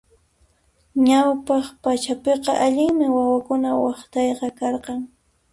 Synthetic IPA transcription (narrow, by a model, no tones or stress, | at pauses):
ɲawpɑχpat͡ʃapeqɑʔaʎɪŋmɪwawakʊnawɑχt̪ɑjqɑkɑɾqɑŋ